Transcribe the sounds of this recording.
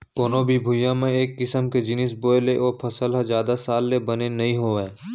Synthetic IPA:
koːnoːbʱibʱʊjãmẽeːkːɪsəmked͡ʒɪnɪsboːjleʔɔːɾpʰɐsəlɦazjaːd̪asaːlːebɐnenɐɦĩɦoːẽː

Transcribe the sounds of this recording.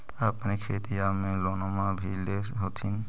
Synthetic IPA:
apnikʰet̪iamilɔnɔmabʱildesɦot̪ʰin

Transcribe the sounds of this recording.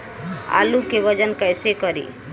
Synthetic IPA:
a̰lukeʋəd͡ʒənkəjsekəɾḭ

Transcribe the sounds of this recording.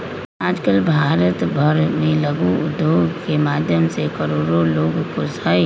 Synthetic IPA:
aːd͡ʒkəlbʱaːɾət̪bʱəɾmẽləɡuʊd̪joːɡkemaːd̪ʱjəmsekəɾoːɾoloːɡkosə

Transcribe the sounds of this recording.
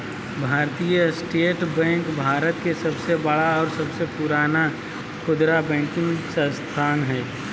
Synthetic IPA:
bʱaːɾt̪ijəsʈeːʈbɛ̃ːŋkbʱaːɾət̪kesɐbsebəɽaɔːɾsɐbsepuɾaːna | kʰʊd̪ɾabɛ̃ːŋkɪ̃ŋsə̃st̪ʰaːnɦɛː

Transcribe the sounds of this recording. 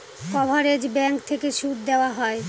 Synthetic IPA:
kɔbʱaɾed͡ʑbɛŋkt̪ʰekeʃud̪̚d̪eoaɦɔe

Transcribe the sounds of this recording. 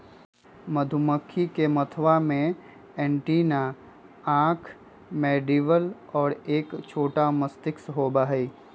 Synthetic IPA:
məd̪ʱʊməkʰːikemət̪ʰʋamẽ | ɛ̃ːɳʈiːna | ãːkʰ | meːɖiːʋəlɔːɾeːkt͡ʃʰoːʈaməst̪ɪksɦoːbaːɦiː

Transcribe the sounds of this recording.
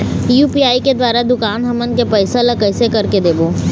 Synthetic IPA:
juːpiːaːiked̪ʋaːɾad̪ʊkaːnɦɐmənkepɛːɪsəlɐkɛːsekɐɾked̪eːboː

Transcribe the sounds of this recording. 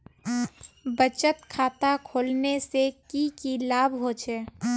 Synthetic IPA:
bət͡ʃət̪kʰaːt̪akʰoːlnesekikilaːbʱɦot͡ʃʰɛ

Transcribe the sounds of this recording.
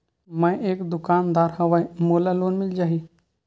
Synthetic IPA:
mə̃jʔeːkd̪ʊkaːnd̪aːɾhəʋaimoːlaloːnmɪld͡ʒaːɦi

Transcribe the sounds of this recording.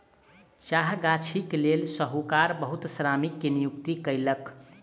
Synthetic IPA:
t͡ʃaɦɡat͡ʃʰiklelsəɦukaɾbəɦut̪sɾamikːenijuk̚t̪ikəjlək

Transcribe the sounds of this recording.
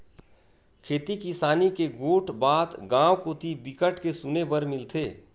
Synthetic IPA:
kʰeːt̪ikisaːnikeɡoːʈʰbaːd̪ɡãːwkoːt̪ʰibɪkəʈkesʊnebəɾmɪlt̪ʰeː

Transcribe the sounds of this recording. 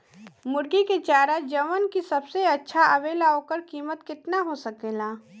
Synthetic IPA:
mʊɾɡiket͡ʃaːɾad͡ʒɐʋənkisɐbseɐtːʃʰaʔɐʋeːlaɦokəɾkiːmət̪kɪt̪naɦosɐkeːlaː

